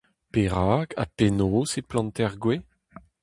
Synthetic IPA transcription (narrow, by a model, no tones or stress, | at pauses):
peʁaːka̰penoːseplɑ̃nt̪ɛʁɡwe